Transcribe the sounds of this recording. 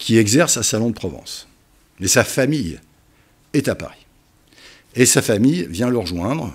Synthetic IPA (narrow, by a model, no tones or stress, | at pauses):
kʲʰiɛɡzɛʁsasalɔ̃d̪əpχɔvɑ̰̃s | mɛsafamij | ɛt̪apa̰ʁi | esafamijvjɛ̃ləʁʒwɛ̃d̪ʁ